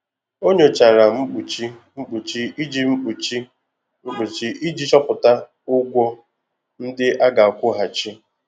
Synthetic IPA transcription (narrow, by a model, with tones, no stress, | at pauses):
o˦ɲe˨t͡ʃa˨ɾa˨m̩˦k͡pu˨t͡ʃi˦ŋ͡m̩˦k͡pu˨t͡ʃi˦i˦d͡ʒi˦ŋ͡m̩˦k͡pu˨t͡ʃi˦ | ŋ͡m̩˦k͡pu˨t͡ʃi˦ʔi˦d͡ʒi˦t͡ʃɔ˦pʊ˨ta˦ | ʊ˦ɡʷɔ˦ | n̩˦dɪ˦ʔa˦ɡa˨a˨kʷʊ˦ɦa˨t͡ʃi˦